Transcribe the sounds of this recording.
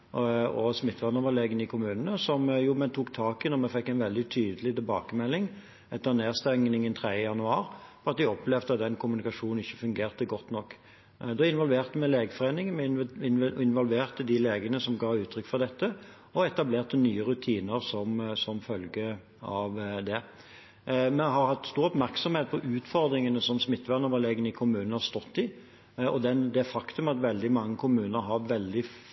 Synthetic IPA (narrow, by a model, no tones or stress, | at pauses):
ɔsmɪt̪ːʋɑnd̪əʋəleːɡənəɪkʰʊmʉːnənəsɔmjuːmɛt̪ʰuːkt̪ʰɑːkɪnɔʁmɛfɛkːæɪnʋɛld̪ɪt̪ʰyːd̪əlɪt̪ɪlbɑ̰ːkəmɛlːɪŋ | ɛt̪ːəʁneːʁst̪ɛŋnɪŋənt̪ʰʁeəjɑnʉɑːɾpʰɔɑt̪̚d̪ɪɔpːlɛʋd̪əɑt̪̚d̪ɛnkʰʊmʉnɪkɑʂuːnən̩ɪçːə̥fʉŋɡeːʁt̪əɡɔt̪nɔkː | d̪ɔɪnʋɔlʋeːʁt̪əmɛleːɡəfɔʁeːnɪŋənmɛ | ɪnʋɔlʋeːʁt̪əd̪ɪleːɡənəsɔmɡɑːʉːt̪ʰɾʏkːfɔʁd̪ɛt̪ːə | ɔɛt̪ɑbleːʁt̪ənyːəɾʉt̪ʰiːnəɾsɔmsɔmfœlɡə | ɑʋd̪ɛ | mɛɦɑɾhɑt̪ːst̪uːɾɔpmæʁksɔmheːt̪̚pʰɔʔʉːt̪fɔɾd̪ɾɪŋənəsɔmsmɪt̪ːʋæʁnəʋɑleːɡənɪkʰʊmʉːnn̩hɑɾst̪ɔt̪ːɪ | ɔd̪ɛnd̪ɛfɑkt̪ʉmɑt̪ʋɛld̪ɪmɑŋːəkʰʊmʉːnəɾɦɑʁʋɛld̪ɪ